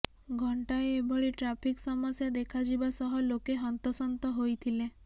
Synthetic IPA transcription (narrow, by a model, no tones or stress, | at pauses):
ɡʱɔɳʈajebʱɔɭiʈɾapʰiksɔmɔsjad̪ekʰad͡ʒibasɔɦɔlokeɦɔnt̪ɔsɔnt̪ɔɦojt̪ʰile